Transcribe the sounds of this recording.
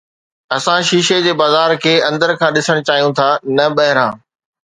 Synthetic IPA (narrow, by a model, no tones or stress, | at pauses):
ɐsãʃiːʃed͡ʑeːbaːzaːɾkʰeːɐ̃nd̪əɾkʰãːɗɪsəɽ̃t͡ɕaːɦijũt̪ʰaːnɐɓɐɦɪɾãː